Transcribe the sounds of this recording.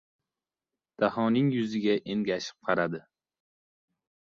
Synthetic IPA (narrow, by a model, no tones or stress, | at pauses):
d̪̥ahɒnɪŋjʊzɪɡʲaʔenɡʲaʃɪ̥p̚qʰɑɾad̪ɪ